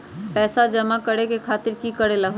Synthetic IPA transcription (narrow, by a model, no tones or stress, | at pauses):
pɛːsad͡ʒəmakəɽekekʰaːt̪ɪɾkikəɽeləɦ